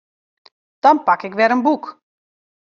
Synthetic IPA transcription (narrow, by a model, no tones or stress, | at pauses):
d̥ɔnpakɪkʋɛɾənbuk